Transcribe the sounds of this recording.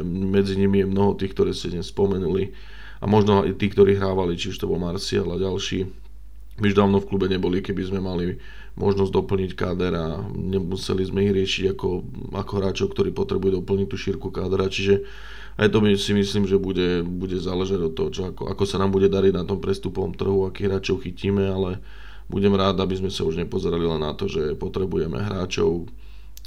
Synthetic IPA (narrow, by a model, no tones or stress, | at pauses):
mɛd͡ziɲimijɛmnɔɦɔt̪iːxkt̪ɔɾɛːscɛdɲɛspɔmɛnuli | a̰mɔʒnɔajt̪iːkt̪ɔɾiːɦɾaːʋalit͡ʃiuʃt̪ɔbɔlmaɾsialaɟalʃiː | miuʒd̪aːʋnɔfklubɛɲɛbɔlikɛbizmɛmali | mɔ̰ʒnɔzɟd̪ɔpl̩ɲickaːd̪ɛɾaɲɛmusɛ̰lizmɛiɣɾɪɛʃiɟakɔ | a̰kɔɦɾaːt͡ʃɔʊkt̪ɔɾiːpɔt̪ɾɛbujɛd̪ɔpl̩ɲic̚t̪uːʃiɾkukaːd̪ɛɾat͡ʃiʒɛ | a̰jt̪ɔmisimisliːmʒɛbuɟɛbuɟɛzaːlɛʒaɟɔt̪ːɔɦɔt͡ʃɔakɔ̰ʔa̰kɔsanaːmbuɟɛd̪aɾiɟnat̪ɔmpɾɛst̪upɔʋɔ̰mt̪r̩ɦuakiːɦɾaːt͡ʃɔʊxiciːmɛalɛ | bṵɟɛmɾaːd̪abizmɛsauʒɲɛpɔzɛɾalilɛnːat̪ɔʒɛpɔt̪ɾɛbujɛmɛ̰ɦɾaːt͡ʃɔ̰ʊ